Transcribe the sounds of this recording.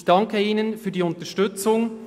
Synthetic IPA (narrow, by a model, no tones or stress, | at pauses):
çd̥ɑŋkəiːnənfyːdiːʊntəʃtʏt͡sʊŋ